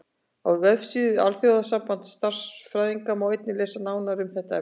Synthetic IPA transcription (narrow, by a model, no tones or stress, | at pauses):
awvœfsiðʏa̰lθjowðasampan̥t̪st̪ar̥sfɾajðiŋkamawejt̪nɪlɛːsanaːwnaɾʏmθɛht̪aɛ